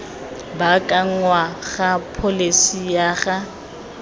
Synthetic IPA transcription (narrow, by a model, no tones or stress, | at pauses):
bakʼaŋ̩waɣapʰolesijaɣa